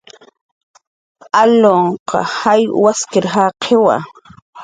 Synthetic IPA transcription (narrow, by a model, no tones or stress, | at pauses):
aloɴqɑ̰hajwaskɪɾɦaqʰewa̰